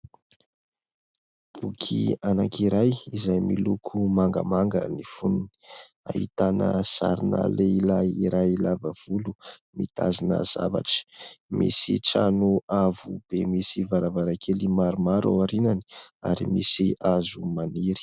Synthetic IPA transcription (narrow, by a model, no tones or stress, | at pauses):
b̥ukʰianakiɾajizajmilukʰumaŋɡə̰maŋɡənifununi̥ | a̰hit̪anəsa̰ɾinə̰leilajiɾajlavəv̥ulumit̪a̰zinə̰z̥a̰vaʈ͡ʂə̥mḭsiʈ͡ʂanuavub̥emisivaɾavaɾakʰelimaɾumaɾa̰waɾinani̥a̰ɾimisiʔazumaniɾi̥